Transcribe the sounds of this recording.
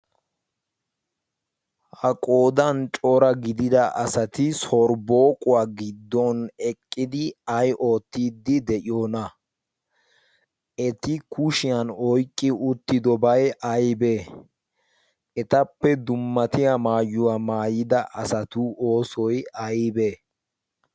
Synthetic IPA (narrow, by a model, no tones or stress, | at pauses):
hɐkʼoːd̪ɐnt͡ʃʼoːɾɐɡɪd̪ɪd̪ɐʔɐsɐt̪ɪsɔɾbo̞ːkʼʊwaːɡɪd̪ːɔnɛkʼːɪd̪ɪɐjʔo̞ːt̪ːiːd̪ːɪd̪ɛʔɪjoːnɐ | ɛt̪ɪkʊʃɪjɐnɔjkʼːɪʊt̪ːɪd̪ɔbɐjʔɐjbe̞ː | ɛt̪ɐpːɛd̪ʊmːɐt̪ɪjamaːjːʊwaːmaːjɪd̪ɐʔɐsɐt̪uʔoːsɔjɐjbeː